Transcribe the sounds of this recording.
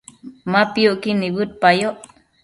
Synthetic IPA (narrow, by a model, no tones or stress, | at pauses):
mapioʔkiniβɨt̪̚pajoʔ